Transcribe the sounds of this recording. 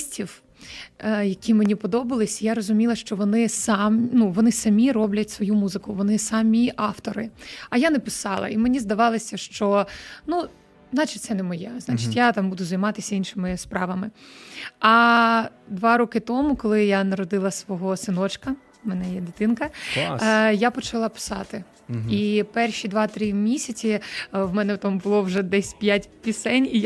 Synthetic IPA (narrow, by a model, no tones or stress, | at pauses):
sʲtʲiw | jɐkʲʰimenʲipɔd̪ɔbɐlˠɪsʲjaɾɔzʊmʲilˠɐʃt͡ʃɔʋɔnɪsamʲnuʋɔnɪsɐmʲiɾɔblʲɐtʲsʋɔjumuzɪkʊʋɔnɪsɐmʲiʔɑft̪ɔɾɪɐjanɛpɪsɑlˠɐ̰imenʲizd̪ɐʋɑlˠɐsʲɐʃt͡ʃɔnu | znɑt͡ʃɪt̚ʲt̪sɛnɛmɔjɛznɑt͡ʃɪtʲjat̪ɑmbud̪ʊzɐjmɑt̪ɪsʲɐinʃɪmɪspɾɑʋɐmɪ | ɐ | d̪ʋɑɾɔkɪt̪ɔmʊkɔlˠɪjanɐɾɔd̪ɪlˠɐsʋɔɦɔsɪnɔt͡ʃkɐ | mɛnɛjɛd̪ɪt̪ɪnkɐ | japɔt͡ʃɐlˠɑpɪ̥sɑt̪ɪ | ipɛrʃʲid̪ʋɑt̪ɾɪmʲisʲɐt͡sʲiwmɛnɛt̪ambʊlˠɔwʒɛd̪ɛsʲpʲjatʲpʲisɛnʲi